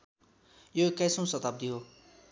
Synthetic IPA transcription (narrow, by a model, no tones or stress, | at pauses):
joekajsõw̃sʌt̪ab̚d̪iɦo